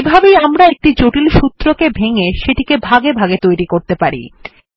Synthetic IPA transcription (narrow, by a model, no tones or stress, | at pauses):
ebʱabejamɾaek̚ʈid͡ʑoʈilʃut̪ːɾokebʱeŋeʃeʈikebʱaɡebʱaɡet̪ojɾikoɾt̪epaɾḭ